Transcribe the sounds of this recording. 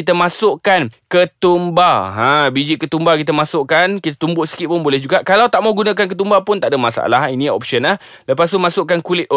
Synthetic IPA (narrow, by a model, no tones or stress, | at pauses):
it̪əmãsʊʔkankət̪umbaɦãbid͡ʒiʔkət̪umbakit̪əmasʊʔkankit̪at̪umbʊʔsi̥kiʔpʊnbolɛhd͡ʒuɡaʔkalawt̪aʔmaɡunãk̬ank̬ət̪umbapʊnt̪aʔdəmasa̰laɦinĩɔ̰pʃənah | ləpas̬t̪umãsʊʔkankulɪt̪̚ɔ